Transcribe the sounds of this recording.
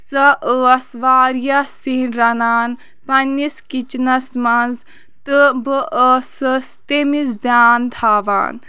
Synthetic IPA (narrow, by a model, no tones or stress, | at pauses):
sɐʔəɐsʋaːɾjasiːnɾɐnaːn | pɐnːiskit͡ʃnɐsmɐnz | t̪ɨbəʔəsəst̪emisd̪jaːnd̪ʰʱaːʋa̰ːn